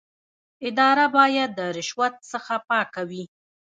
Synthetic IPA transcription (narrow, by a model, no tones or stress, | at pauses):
ɪd̪ɑɾabɑjad̪ːəɾɪʃwat̪̚səxapɑkawi